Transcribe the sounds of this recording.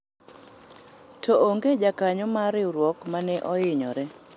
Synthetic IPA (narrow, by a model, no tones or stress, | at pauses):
tʰooŋɡed͡ʒakaɲɔmaɾɪɾwɔkmanɛʔɔɪɲɔ̰ɾɛ